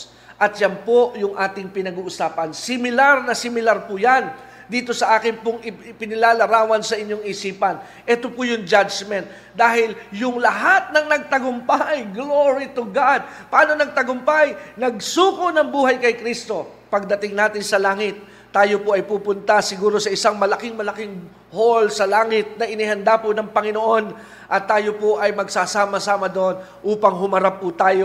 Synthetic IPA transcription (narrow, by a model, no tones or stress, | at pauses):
ʔɐt̪̚janpojʊŋʔaːt̪ɪŋpɪnɐɡuːʔʊsaːpɐnsɪmɪlaɾnɐsɪmɪlaɾpʊjan | d̪iːt̪o̞sɐʔaːkɪnpʊŋɪpɪnɪlaːlɐɾaːwɐnsɐʔɪɲːoŋɪsiːpɐn | ʔɛːt̪opʊjʊŋd͡ʒad͡ʒmɛnt̪̚ | d̪aːhɪljʊŋlɐɦat̪̚nɐŋnɐɡ̚t̪ɐɡʊmpajɡloɹit̪ʊɡad̪̚pɐʔaːno̞nɐɡ̚t̪ɐɡʊmpajnɐɡsuːkonɐŋbuːɦɐjkɐjkɾist̪o̞ | pɐɡ̚d̪ɐt̪ɪŋnaːt̪ɪnsɐlaːŋɪt̪̚ː | aːjo̞poʔɐjpuːpʊnt̪ɐsɪɡuːɾo̞sɐɪsaŋmɐlɐkɪŋmɐlɐkɪŋ | holsɐlaːŋɪt̪̚nɐʔɪnɪhɐnd̪apʊnɐŋpɐŋɪnoʔo̞n | ʔɐt̪ːaːjopoʔɐjmɐɡsasaːmɐsaːmɐd̪oʔon | ʔuːpɐŋɦʊmɐɾapːʊt̪aːjo